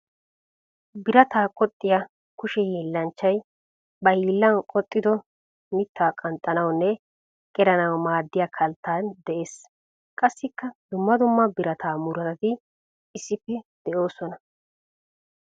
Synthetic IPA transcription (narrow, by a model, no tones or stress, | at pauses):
bɪɾɐt̪aːkʼɔt̪ʼːɪjɐ | kʊʃɛhiːlːɐnt͡ʃːɐj | bɐhiːlːɐnkʼɔt̪ʼːɪd̪ɔ | mɪt̪ʰːaːkʼɐnt̪ʼːɐnɐwnːɛ | kʼɛɾɐnɐwmaːd̪ːɪjakʰɐlt̪ːaːnd̪ɛʔe̞ːs | kʼɐsːɪkːɐd̪ʊmːɐd̪ʊmːɐbɪɾɐt̪aːmʊɾɐt̪ɐt̪ɪ | ɪsːɪpːɛd̪̥ɛʔo̞ːsɔnɐ